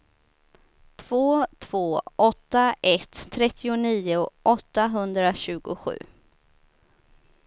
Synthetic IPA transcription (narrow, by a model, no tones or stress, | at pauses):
t̪ʰv̥oːt̪ʰv̥oːɔt̪ːaʔɛt̪ʰːɾɛt̪ːɪʊniːʊʔɔt̪ːaɦɵnd̪ɾaɕʉ̟ːɡʊ̰ɧʉ̟̰ː